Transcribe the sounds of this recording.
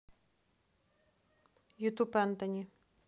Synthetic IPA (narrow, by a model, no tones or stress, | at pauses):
jut̪upɛnt̪ɐnʲi